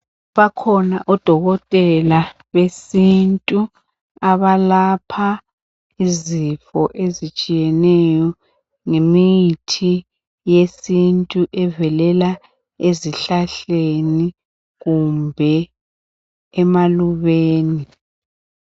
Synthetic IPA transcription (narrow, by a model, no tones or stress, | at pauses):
βakʰɔnaʔɔd̥ʱɔɣɔtʼɛla | βesintʼu | aβalapʰa | izifɔʔezit͡ʃʼijɛnɛjɔ | ŋemijitʰi | jesintʼuʔɛvɛlɛla | eziɬaɬeni | ɣumbʱɛ | maluβeːni